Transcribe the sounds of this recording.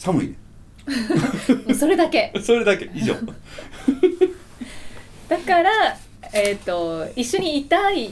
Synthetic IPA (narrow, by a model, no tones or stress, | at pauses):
samɯ̟id̪e | mso̞ɾe̞d̪ake̞so̞ɾe̞d̪ake̞iʑo̰ː | d̪̥akaɾa | et̪ːo̞iɕːo̞ɲ̟iːt̪ai